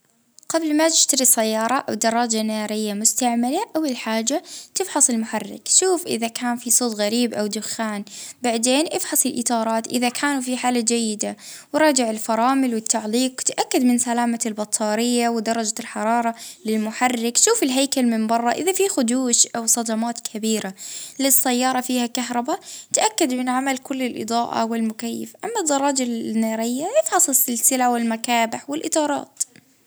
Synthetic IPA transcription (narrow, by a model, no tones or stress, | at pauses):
qablmat̪ɪ̥ʃt̪aɾisajːɑːɾˤɑʔa̰wd̪ɑɾˤːɑd͡ʒanaːɾɪjːamʊst̪aʕmalaʔawɪlħaːd͡ʒat̪ɪfħɑsˤɪlmʊħarːɪ̰kʃuːfʔɪ̰ðakaːnfisˤoːt̪ɣaɾiːbʔawd̪ʊxːaːnbaʕd̪eːnʔɪfħɑsˤɪlʔɪt̪ˤɑːɾˤɑːt̪ʔɪ̰ðakʰaːnufiħaːlad͡ʒajːɪd̪awɪɾˤɑːd͡ʒɪʕɪlfɑɾˤɑːmɪlwɪt̪ːaʕliːqwt̪ʔakːad̪mɪnsalaːmalbɑt̪ˤʰːɑːɾɪjːawɪd̪ɑɾˤːɑd͡ʒalħɑɾˤɑːɾˤɑlɪlmʊħarːɪkʃuːfɪlɦaːjkalmɪmbɑrˤːɑʔɪðafixʊd̪uːʃʔawsˤɑd̪ɑmaːt̪kʰabiːɾalɪsːajːɑːɾˤɑfiːhakaɦɾˤɑbat̪aʔakːad̪mɪnʕamalkʊlːɪlʔɨ̰d̪ˤɑːʔa̰wɪlmʊkajːɪ̰fʔamːad̪ːɑɾˤɑːd͡ʒanɑːɾɪjːajɪfħɑsˤɪsɪlsɪlawɪlmakaːbɪħwɪlʔɪt̪ˤɑːɾˤɑ̰ːt̪